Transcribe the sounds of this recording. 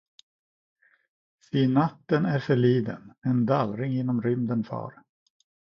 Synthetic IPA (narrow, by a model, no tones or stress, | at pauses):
siːnat̪ːənæɾfœɭiːd̪ə̰nɛnd̪alɾɪŋɪnːɔmɾʏmd̪ənfɑ̰ːɾ